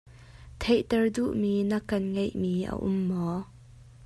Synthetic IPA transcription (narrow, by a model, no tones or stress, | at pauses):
t̪ʰejt̪ɛrdṵʔmiːnɐkːɐnŋejʔmiːʔə̰ʔʊ̰mːɔ